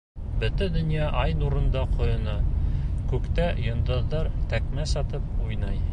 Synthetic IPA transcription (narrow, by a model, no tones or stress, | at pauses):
bɵ̆t̪ɘd̪ɵ̆njɑʔɑjnuɾɤ̆nd̪ɑqŏjɤ̆nɤkʉkt̪æjɤ̆nd̪ɤ̆ðːɑɾt̪ækmæsɑt̪ɤp̚ujnɑj